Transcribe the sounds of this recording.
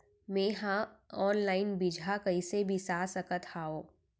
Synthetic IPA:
meːɦãɔːnlaːɪnbid͡ʒʱakɐɪsebʱisaːsəkət̪haːoː

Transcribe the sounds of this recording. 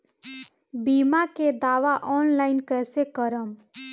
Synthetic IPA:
bimaked̪aʋaʔɔnlaɪnkəsekəɾəm

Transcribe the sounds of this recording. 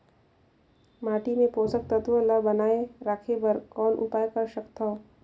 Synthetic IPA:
maːʈimẽpoːsək̚t̪ɐt̪ʋəlɐbɐnaːeɾaːkʰebɐɾkɔːnʔʊ̰paːjekɐɾʃɐkt̪ʰao

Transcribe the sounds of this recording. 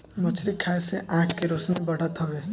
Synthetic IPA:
mət͡ʃʰɾikʰaːeseʔãːʈʰkeɾosnebəɽ̤ət̪ɦɔʋeː

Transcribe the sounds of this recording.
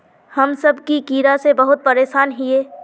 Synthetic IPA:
hɐmsɐbkikiːɾasebɐɦʊt̪̚pɐɾeːʃaːnɦieː

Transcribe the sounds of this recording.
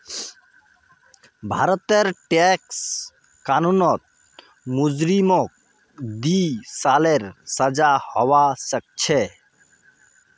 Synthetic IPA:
bʱa̰ɾɔt̪eɾʈeks | kanunɔt̪̚ | mud͡ʒɾimɔk̚ | d̪isaleɾsəd͡ʒahɔwasək̚t͡ʃʰe

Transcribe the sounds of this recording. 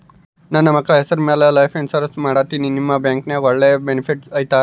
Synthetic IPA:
naːnːɐmɐkːɐɭɐɦesɐɾmeːlelɐjfeɳsɐɾsmaːɽat̪ininimːɐbjaːŋkneːɡoɭːebenipʰiʈsɐːjt̪a

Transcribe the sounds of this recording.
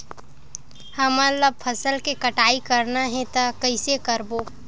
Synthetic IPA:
həmaləb̚pʰəsəlkekəʈaːikəɾnaɦɛ̃t̪akəɪsekəɾboː

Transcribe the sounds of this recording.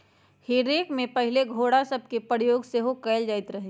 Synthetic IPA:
heːɾeːkmẽpɐɦɪleɡʱoːɽasɐb̚ʱkepɾjoːɡseːɦokɛɪld͡ʒaːɪt̪ɾɐɦe

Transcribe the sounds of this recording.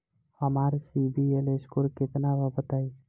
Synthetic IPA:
həmaɾsibieleskuɾkɪt̪nabəbət̪ai

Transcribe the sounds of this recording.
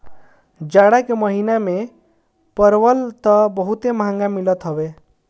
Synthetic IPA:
d͡ʒaɽakeməɦiname | pəɾwəlt̪ɔbɔɦut̪emʱãŋɡamilət̪ɦɔwe

